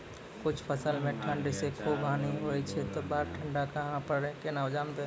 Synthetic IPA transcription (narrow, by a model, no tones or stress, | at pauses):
kʊt͡ʃʰpəsəlmẽʈʰə̃ɳɖsekʰobʱaːniɦoit͡ʃʰɛt̪obaːɾʈʰəɳɖakəɦãpəɾekenawd͡ʒaːmd̪e